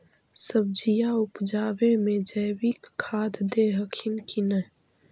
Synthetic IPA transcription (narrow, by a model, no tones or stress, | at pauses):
səb̚d͡ʒijaʊpd͡ʒaːbemẽd͡ʒəjwikʰːaːd̪d̪eɦəkʰɪnkʰinə